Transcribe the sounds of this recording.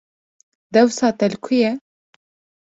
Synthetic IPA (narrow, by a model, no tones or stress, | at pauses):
d̪ɛwsɑːt̪ɛlkʰujɛ